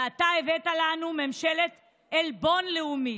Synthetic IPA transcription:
at̪aevet̪alanumemʃelet | elbo̞nleumi

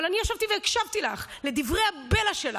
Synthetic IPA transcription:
lanijaʃavt̪iveːkʃavt̪ilaχle̞d̪ivʁe̞jhabe̞laʃela

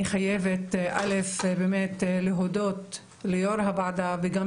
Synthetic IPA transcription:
iχajevet̪ʔa̰lefbeːmet̪leɦod̪ot̪ | lejoɾɦabaʕd̪aveɡa

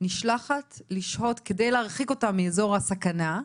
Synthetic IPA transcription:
niʃlaχatliʃho̞tke̞de̞jleaʁχiko̞tamːiezo̞ʁasakana

